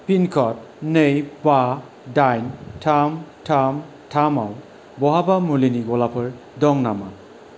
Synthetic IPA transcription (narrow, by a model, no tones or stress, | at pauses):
pinkʰɔt̚ | nejpa | dajntʰamtʰam | tʰamaw | bɔɦabamuliniɡɔlapʰɯɹ | dɔŋnama̰